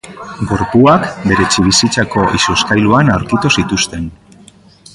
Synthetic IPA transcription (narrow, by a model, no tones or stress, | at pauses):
ɡo̞ɾpuakbe̞ɾe̞t͡ʃiβ̞isit͡sako̞ʔisueskajluanawɾkit̪usit̪ust̪e̞n